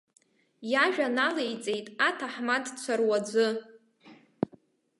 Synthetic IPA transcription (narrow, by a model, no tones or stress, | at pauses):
jaʒᶣanalejt͡sʼe̞jtʼatʰaħmadt͡ɕʷʰarwad͡zʷɨ